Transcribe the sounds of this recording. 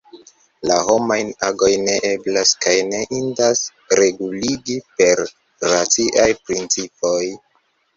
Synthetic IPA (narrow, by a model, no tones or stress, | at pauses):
laɦo̞majnaɡo̞jne̞ʔe̞blaskajne̞ʔindas | ɾe̞ɡuliɡipe̞ɾ | ɾat͡siʔajpɾint͡sipo̞j